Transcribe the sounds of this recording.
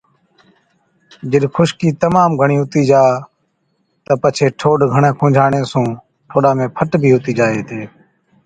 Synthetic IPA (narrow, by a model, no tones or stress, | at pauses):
d͡ʒəɗkʰʊʃkiːt̪əmaːmɡʱəɳiːɦʊt̪iːd͡ʒaː | t̪əpət͡ʃʰeːʈʰoːɖɡʱəɳẽːkʰõːd͡ʒʱaːɳẽːsũː | ʈʰoːɗãːmẽːpʰəʈbʱiːɦʊt̪iːd͡ʒaːeːt̪ʰeː